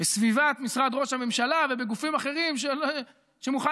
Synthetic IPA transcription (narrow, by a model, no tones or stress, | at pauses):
besvivat̪misʁad̪ʁo̞ʃhame̞mʃalavebeɡufimaχe̞ʁimʃel | ʃemuχa